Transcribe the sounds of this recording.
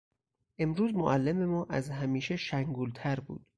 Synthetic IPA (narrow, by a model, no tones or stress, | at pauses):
ʔe̞mɾuːzmoʔælːeme̞mɒːʔæzɦæmiːʃeʃæŋɡuːlt̪ʰæɾbṵːd̪̥